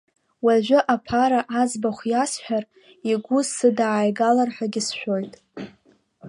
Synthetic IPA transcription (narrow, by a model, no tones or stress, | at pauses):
waʒᶣʷʊʔapʰaɾaʔazbaχʷjasħʷᶣar | iɡʷʊsɨdaːjɡalarħʷᶣaɡʲɪsʃᶣo̞jtʼ